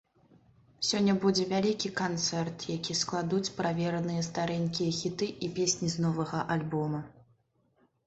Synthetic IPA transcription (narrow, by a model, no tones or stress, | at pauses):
sʲɔnʲːɐbud͡zʲɛvʲalʲikʲikant̪sɛrt̪jakʲisklˠad̪ut͡sʲpɾavʲɛɾɐnɨjɐst̪aɾɛnʲkʲijɐxʲit̪ɨʔipʲesʲnʲiznɔvɐɣɐʔalʲbɔmɐ